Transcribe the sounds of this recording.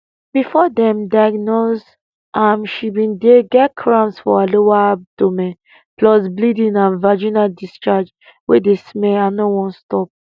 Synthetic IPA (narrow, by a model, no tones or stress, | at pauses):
b̥ifɔdɛ̃mdajɡnos | ʔãmʃibĩndeɡɛt̚kʰɹãmsfɔalowadomɛ̃n | plɔsblidĩnãnvad͡ʒinadist͡ʃad͡ʒ | wedesmɛanowɔ̃nstɔp̚